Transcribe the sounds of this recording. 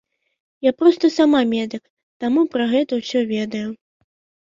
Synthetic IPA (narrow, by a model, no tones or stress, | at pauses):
japɾɔst̪ɐsamamʲɛd̪ɨk | t̪amupɾɐɣɛt̪ɐwsʲɔvʲɛd̪ɐju